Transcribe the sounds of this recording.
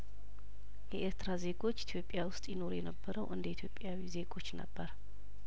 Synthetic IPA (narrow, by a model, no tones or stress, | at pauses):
jɛʔeɾt̪ʰɾaze̞ɡo̞t͡ʃːit̪ʰjopʼːjawʊst̪ʼjɪno̞ɾjɛnəbːəɾəwʔɨnd̪əit̪ʰjo̞pʼːjawize̞ɡo̞t͡ʃːnə̰bːəɾ